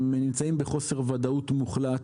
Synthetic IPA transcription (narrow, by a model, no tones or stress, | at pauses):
menimt͡saimbeχo̞se̞ʁvad̪aut̪muχlat